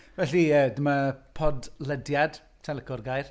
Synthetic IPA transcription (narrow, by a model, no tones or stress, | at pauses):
vɛɬiədəmapʰɔdlədjad̥ | tʰɛləkɔrɡajr